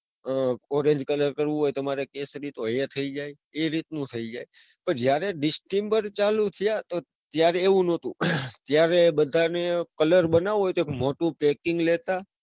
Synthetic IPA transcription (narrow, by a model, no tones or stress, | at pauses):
ɔɾẽɲd͡ʒkələɾkəɾʋũɦojt̪əmaɾekesɾit̪oet̪ʰəid͡ʒaj | eɾit̪nũt̪ʰəid͡ʒaj | pəɳd͡ʒjaɾeɖɪsʈembəɾt͡ʃalũt̪ʰijat̪o | t̪jaɾeːʋũnot̪ũt̪jaɾebəd̪ʱanekələɾbənaʋɦojt̪oekmoʈũpɛkɪŋɡlet̪a